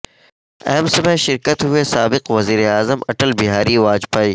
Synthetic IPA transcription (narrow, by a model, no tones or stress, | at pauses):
ɛːmsɐbeʃɪɾkət̪ɦʊesaːbɪqʋɐziːɾeaːzəmɐʈəlbɪɦaːɾiʋaːd͡ʒpaːiː